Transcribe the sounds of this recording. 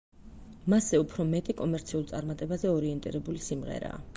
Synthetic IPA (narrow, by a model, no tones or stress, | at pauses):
masɛupʰɾɔmɛt̪ʼikʼɔmɛɾt̪sʰiulˠt̪sʼaɾmat̪ʼɛbazɛɔɾiɛnt̪ʼḭɾɛbulisimʁɛ̰ɾa̰ː